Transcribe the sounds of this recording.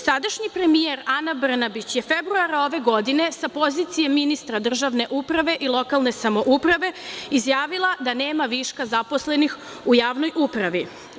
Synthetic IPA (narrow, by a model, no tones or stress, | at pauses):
sad̪aʃɲipɾe̞mijeɾanabr̩nabit͡ɕje̞febɾuaɾao̞ʋe̞ɡo̞d̪ine̞sapo̞zit̪sijemːinist̪ɾad̪r̩ʒaʋne̞ʔupɾaʋe̞ʔilˠo̞kalˠne̞samo̞ʔupɾaʋe̞izjaːʋilˠad̪ane̞ːmaʋiʃkazaposle̞nix | ujaːʋno̞jʔupɾaʋi